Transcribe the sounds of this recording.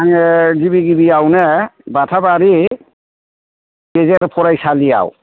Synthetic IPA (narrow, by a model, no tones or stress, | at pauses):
aŋɛzibiɡibiawnɛbatʰabaɾi | kezɛɾpʰɔɾajsalija̰w̰